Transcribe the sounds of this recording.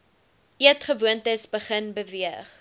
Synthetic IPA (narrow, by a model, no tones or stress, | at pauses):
ʔiətχəvuəntəsbəχənbəviəχ